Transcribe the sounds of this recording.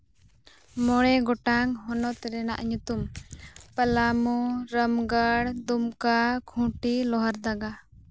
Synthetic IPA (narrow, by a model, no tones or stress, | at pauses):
mɔɽɛɡɔʈaŋɦɔnɔt̪ɾɛna̰ʔɲut̪umpəlamuɾəmɡaɽd̪umkakʰũʈilɔɦaɾd̪aɡa